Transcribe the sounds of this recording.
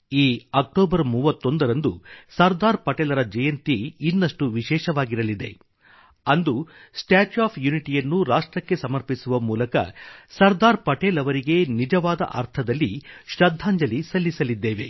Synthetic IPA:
iːɐk̚ʈoːbɐɾmuːʋɐt̪ːo̞nd̪ɐɾɐnd̪usɐɾd̪aːɾpɐʈɛːlɐɾɐd͡ʒɐjɐnt̪iːnːɐʂʈuʋiʃɛːʃɐʋaːɡiɾɐlid̪e̞̰ | ɐnd̪usʈaːt͡ʃaːpʰjuniʈijɐnːuɾaːʂʈɾɐkːe̞sɐmɐɾpisuʋɐmuːlɐkɐ̰sɐɾd̪aːɾpɐʈeːlɐʋɐɾiɡe̞nid͡ʒɐʋaːd̪ɐ̰ʔɐ̰ɾt̪ʰɐd̪ɐlːiʃɾɐd̪ʱːaːɲd͡ʒɐlisɐlːisɐlid̪ːeːʋe

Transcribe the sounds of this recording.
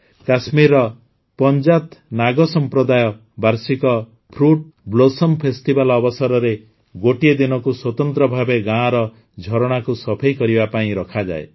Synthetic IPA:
kasmiɾɔ | pɔnd͡ʒat̪naɡɔsɔmpɾɔd̪ajɔ | baɾsikɔ | pʰɾuʈ̚blosɔmpʰest̪ibalɔbɔsɔɾɔɾe | ɡoʈied̪inɔkuswɔt̪ɔnt̪ɾɔbʱabeɡãɾɔ | d͡ʒʱɔɾɔɽ̃akusɔpʰajkɔɾibapaĩɾɔkʰad͡ʒa̰e

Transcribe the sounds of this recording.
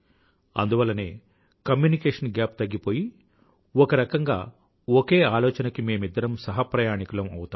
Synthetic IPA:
ɐ̰nd̪uʋɐlːɐne̞ː | kɐmjuːnikeːʂɐnɡaːp̚t̪ɐɡːipoːji | ɔkɐɾɐkɐŋɡa̰ː | oke̞ːaːlɔːt͡ʃɐnɐkime̞ːmid̪ːɐɾɐmsɐɦɐpɾɐjaːnikulɐmɐwut̪aːm

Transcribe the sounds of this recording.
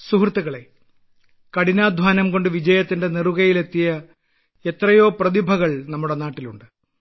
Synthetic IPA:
suɦrt̪ːɐɣɐɭe̞̰ | kɐɽinaːd̪ʱʋaːnɐmko̞ɳɖɨʋid͡ʑɐjɐt̪ːinde̞neruɣɐjile̞t̪ːijɐ | e̞t̪rɐjo̞ːprɐðibʱɐɣɐɭnɐmːuɽe̞naːʈːiluɳɖɨ

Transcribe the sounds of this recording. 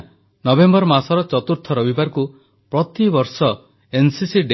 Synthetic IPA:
nɔbembɔɾɔmasɔɾɔt͡ʃɔt̪uɾt̪ʰɔɾɔbibaɾku | pɾɔt̪ibɔɾsɔ | ensisiɖ

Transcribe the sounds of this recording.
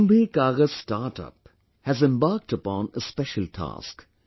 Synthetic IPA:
mbikaːɡəzsʈaːɾʈʌ̰p | hæzɛ̃mbaːɾk̚ʈəpɔ̃ːnəspɛʃəltʰa̰ːsk

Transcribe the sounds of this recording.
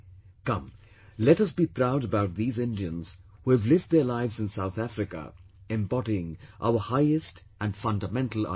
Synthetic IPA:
kʌ̃m | lɛɾʌsb̥ipʰɹaʊɾəbaʊt̪̚ðiːzɪ̃ndiɨ̃nz̥huɨvlɪvd̪̚ðə˞laɪvzɨ̃nsaʊθæfɾɨkə̰ | ɛ̃mbɔɾiɪ̃ŋʔa̰ʊə˞haɪɨst | ɨ̃nfʌ̃ndəmɛ̃ntʰl̩ˠa̰

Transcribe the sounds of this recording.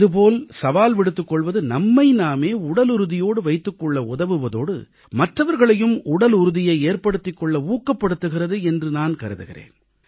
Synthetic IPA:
ɪðɯp̬oːlsɐʋaːlʋɪɽɯt̪ːɯkːɔɭʋɐðɯnɐmːɐɪnaːmeːʊɽɐlʊɾɯðɪjoːɽɯʋɐɪt̪ːɯkːɔɭːɐʊðɐʋɯʋɐðoːɽɯ̰ | mɐʈrɐʋɐɾɣɐɭɐjɯmʊɽɐlʊɾɯðɪjɐɪeːɾpɐɽɯt̪ːɪkːɔɭːɐuːkːɐpːɐɽɯt̪ːɯɣɪrɐðɯɛndrɯnaːnkɐɾɯðɯ̰ɣɪ̰rḛːn

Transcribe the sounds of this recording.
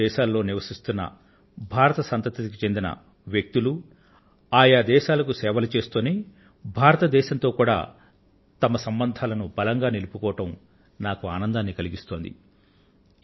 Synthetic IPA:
ɛːʃaːlːo̞ːniʋɐsist̪unːɐ̰ | bʱaːɾɐt̪ɐsɐnt̪ɐt̪ɐt̪ikit͡ʃe̞nd̪inɐ̰ | ʋjek̚t̪ulu | aːjaːd̪ɛːʃaːlɐkusɛːʋɐlɐt͡ʃe̞ːst̪oːni | bʱaːɾɐt̪ɐd̪ɛːʃɐnt̪o̞ːkuːɽa̰ː | t̪ɐmɐsɐmbɐnd̪ʱaːlɐnubɐlɐŋɡaːnilupukɔːɐʈɐm | naːkuaːnɐnd̪aːnːikɐliɡist̪o̞ːnd̪ḭ

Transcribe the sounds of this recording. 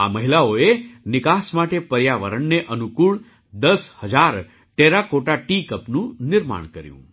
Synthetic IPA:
a̰məɦilaoenɪkasmaʈepəɾjaʋə̰ɾəɳneʔənukuɭ | d̪əshəd͡ʒaɾ | ʈeɾakoʈaʈikəpnũnɪɾma̰ɳ̃kəɾjṵ̃

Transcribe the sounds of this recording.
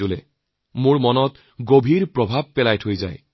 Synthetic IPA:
olɛ̰ | mʊɹmɔnɔt | ɡobʱiɹpɹɔbʱab̚ːɛlajtʰojza̰j

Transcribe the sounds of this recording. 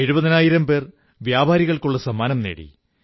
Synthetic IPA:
e̞ɻubɐðinaːjiɾɐmpe̞ːr | ʋjaːbʱaːɾiɣɐɭkuɭːɐsɐmaːnɐmneːɽḭ

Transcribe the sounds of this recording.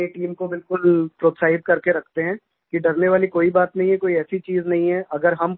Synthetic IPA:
eʈiːmkobɪlkʊlpɾoːt̪saːɪd̪kɐɾkeɾɐkʰt̪eɦɛ̃ː | kiɖɐɾneʋaːlikoːibaːt̪nɐɦĩɦɛ̃koːiɛːsit͡ʃiːznɐɦĩɦɛʔɐɡəɾɦɐm

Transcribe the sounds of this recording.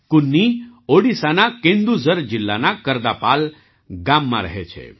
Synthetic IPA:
kunːioɽisanakẽnd̪uzəɾd͡ʒilːanakəɾd̪apaːl | ɡamːã̰ɾəɦet͡ʃʰḛ

